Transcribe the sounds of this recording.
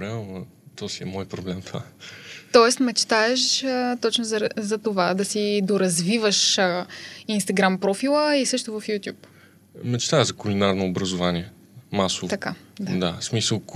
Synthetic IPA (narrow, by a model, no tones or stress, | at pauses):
ɾɛ | t̪ɔsiɛmɔjpɾoblɛmt̪ova̰t̪ɔɛst̪mɛt͡ʃt̪aɛʃət̪ɔt͡ʃnozɐɾzɐt̪ovad̪ɐsid̪oɾɐzvivəʃ | inst̪ɐɡɾampɾɔfilˠəisɤʃt̪ʊvɐfjut̪ʲjup | mɛt͡ʃt̪aɛʒzɐkulinaɾnoːbɾɐzovaniɛ | masovt̪ɐkad̪ad̪asmisəlˠ